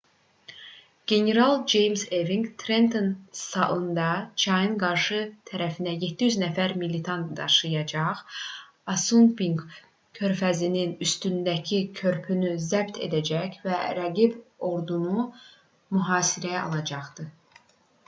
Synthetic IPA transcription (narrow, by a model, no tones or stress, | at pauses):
ɡ̥e̞ne̞ɾɑlˠd͡ʒejmzeviŋɡt̪ʰɾe̞nt̪ʰonsɑʔɯnd̪ɑt͡ʃʰɑjɯnɡɑɾʃɯt̪ʰæɾæfind̪æje̞t̪ʰːijyznæfæɾmilit̪ʰɑnt̪d̪ɑ̰ʃɯjɑd͡ʒɑʁ | ɑsunbiŋɡ | kʰø̞ɾfæzininyst̪ynd̪æcʰicʰø̞ɾpʰynyzæbt̪ʰḛd̪æd͡ʒæçvæɾæɡibo̞ɾd̪unu | myɦɑːsiɾæɑ̰lˠɑd͡ʒɑχd̪ɯ